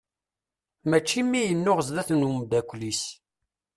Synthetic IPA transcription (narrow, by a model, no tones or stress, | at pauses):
mæt͡ʃːimːijənːʊʁəzðæθnumd̪ækʷːlis